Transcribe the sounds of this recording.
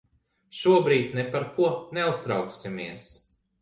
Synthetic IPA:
ʃuɔbɾiːt̪ʲnɛpaɾkuɔnɛust̪ɾawksimiɛs

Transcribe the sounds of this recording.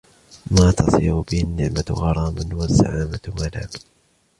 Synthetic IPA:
maːt̪ɑsˤiːɾʊbɪhɪnːɪʕmaɣɑɾˤɑːbanwazːa̰ʕaːmamalaːm

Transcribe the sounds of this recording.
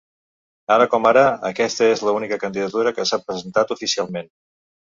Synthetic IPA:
aɾəkɔmaɾəːkɛst̪əezləunikəkənd̪iðət̪uɾəkəsapɾəzənt̪at̪ufisialˠmen

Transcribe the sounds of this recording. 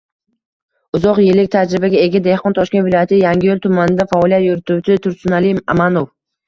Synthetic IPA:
ʊzɒqjɪlːɪk̚ʲt̪ʰad͡ʒɾɪbaɡʲaeɡʲad̪e̞hqɒnt̪ʰɒʃkʲe̞nvɪlɒjat̪ʰɪjaŋɡʲɪjolt̪ʰʊmanɪd̪afaːlˠijat̪joɾɪt̪ʊwt͡ʃʰɪt̪ʰʊɾsʊnalima̰manof

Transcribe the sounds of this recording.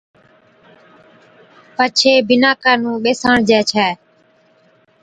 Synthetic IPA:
pət͡ʃʰeːbɪnaːkaːnũːɓeːsaːɳd͡ʒɛːt͡ʃʰɛː

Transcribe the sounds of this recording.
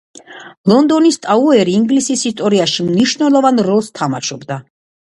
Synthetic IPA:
lˠɔnd̪ɔnist̪ʼauɛɾiːŋɡlisisist̪ʼɔɾiaʃimniʃnɛlˠɔvanɾɔlˠst̪ʰamaʃɔbd̪a

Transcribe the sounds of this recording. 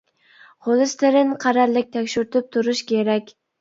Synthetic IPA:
ʁolˠɨst̪ɪɾɪnqʰɑɾɑɾlˠɪk̚ʲt̪ʰɛkʲʃyɾt̪ʰɪp̚t̪ʰuɾuʃkʲʰeɾɛkʲ

